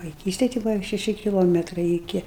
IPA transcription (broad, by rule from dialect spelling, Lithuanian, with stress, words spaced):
ʋɐɪˈkʲiːsʲtʲɛj tɐɪ ˈbʊʋɐ ʃʲɛˈʃʲɪ kʲɪˈlˠoːmʲɛtrɐɪ ɪˈkʲɪ